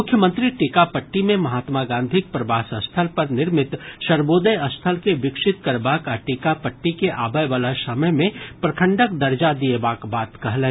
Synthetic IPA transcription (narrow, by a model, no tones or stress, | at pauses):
mʊkʰjəmə̃nt̪ɾiʈikapɐʈːimẽmɐɦaːt̪maɡãːnd̪ʱɪk̚pɾɐʋaːsɐst̪ʰəlpɐɾnɪɾmɪt̪ʃɐɾboːd̪əjɐst̪ʰəlkeʋɪkʃɪt̪kɐɾbaːkaʈiːkapɐʈːikeʔaːbəjʋaːlasɐməjmẽpɾɐkʰə̃ɳɖək̚d̪ɐɾd͡ʒad̪iebaːkbaːt̪kɐɦle